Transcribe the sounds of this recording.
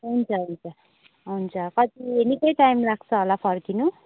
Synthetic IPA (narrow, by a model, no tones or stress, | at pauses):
ɦunt͡sʰʌɦunt͡sʰʌ | ɦunt͡sʰʌkʌt̪ienikʌjʈajmlaɡ̚t͡sʰʌɦolapʰʌrkinu